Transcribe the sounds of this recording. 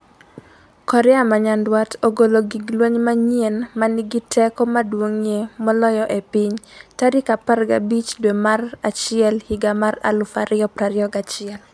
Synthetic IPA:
kɔɾɛamaɲandwatoɡoloɡiɡlwoɲmaɲienmanɪɡitʰɛkɔmadwoŋjemɔlɔjɔʔepɪɲtaɾɪkaparɡa̰bit͡ʃdwemarat͡ʃɪɛlhiɡamaɾa̰lʊfaɾɪɔpɾaɾɪɔɡat͡ʃɪɛl

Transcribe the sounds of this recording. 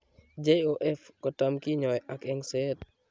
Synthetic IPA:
d͡ʒeoʔɛfkɔtamkiɲɔjʔakɛŋsɛt̚

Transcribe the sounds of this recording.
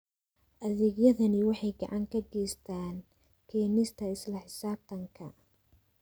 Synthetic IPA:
ʔɐðɛːɡjɐðɐnɪwɑħɑjɡɑʕɑŋkʰɐɡɛːst̪ʰaːn | kʰɛːnɪst̪ʰɐɪslɐħɪsaːb̚t̪ʰɐŋkʰɐ

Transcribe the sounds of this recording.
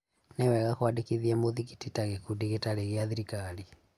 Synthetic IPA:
newɛɣakwadikiðiɛmoðiki̥titaɣekudiɣetaleɣeaðiɾikali

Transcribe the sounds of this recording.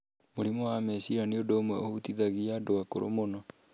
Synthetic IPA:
moɾimoamɛsiɾaniodoːmwɛohut̪iðaɣiadowakoɾo̰monɔ

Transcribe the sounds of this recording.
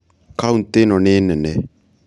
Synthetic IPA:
kaunt̪enɔnenɛnɛ

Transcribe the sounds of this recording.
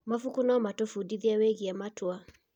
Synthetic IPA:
mafukunaɔmatofudiðiaweɣiamatwa

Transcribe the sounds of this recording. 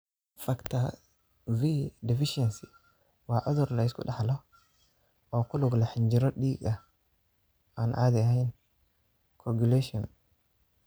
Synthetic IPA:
fɐkt̪ʰɐ | vidɪfɪʃɛnsi | waːʕʊðʊɾlɐɪskʰʊ̰ɗɐħlɔ | ɔːkʊlʊɡlɐħɪɲd͡ʒɪɾɔɗiːɡɐ | aːnʔa̰ːd̪ɪɐhɛjn | kʰɔɡulɛʃɔn

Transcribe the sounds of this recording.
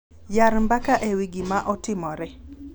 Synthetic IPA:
jaɾmbakaʔewiɡimaʔɔtɪmɔɾɛ

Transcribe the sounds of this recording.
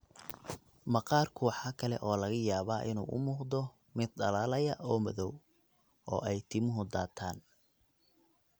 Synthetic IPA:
mɐqɑːrkʰʊwɑħɑːkʰɐlɛ̰ʔɔːlɐɣɐjaːβaːʔɪnṵːʔʊ̰muːʁd̪ɔ | mɪd̪̚ɖɐlaːlɐjɐʔɔːmɐðɔw | ɔ̰ːʔɛjt̪ʰɪmʊɦʊd̪aːt̪ʰaːn

